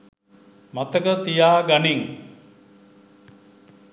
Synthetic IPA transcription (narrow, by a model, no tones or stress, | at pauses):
mat̪əkət̪ijaːɡaniŋ